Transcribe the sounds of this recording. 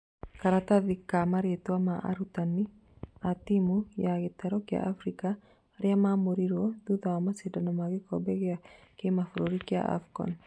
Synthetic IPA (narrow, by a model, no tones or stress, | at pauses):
kaɾat̪aðikːamaɾet̪uamaʔa̰ɾut̪anːi | at̪imujaket̪ɛɾokja̰ʔafɾika | ɾiamamuɾiɾod̪uðamasidanamakikobɛkakemafɾoɾikia̰ʔa̰fkɔ̰n